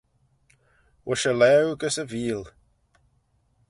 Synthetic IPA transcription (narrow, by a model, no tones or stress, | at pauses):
wʔəʃəlɛwɡəsəviːl